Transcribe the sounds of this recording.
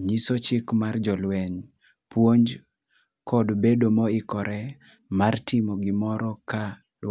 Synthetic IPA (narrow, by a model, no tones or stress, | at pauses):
ɲisot͡ʃɪkmard͡ʒɔlwɛɲ | pwoɲd͡ʒ | kʰɔdbedomɔɪkɔɾɛ | martɪmoɡɪmɔɾɔka | l